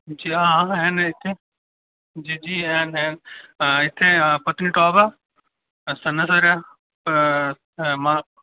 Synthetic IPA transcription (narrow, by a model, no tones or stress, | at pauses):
d͡ʒiːaãɦenɪt̪ʰe | d͡ʒid͡ʒiːenɦenɪt̪ʰepɐt̪niʈɔːba | sɐnɐs̬ɐɾja | p | mã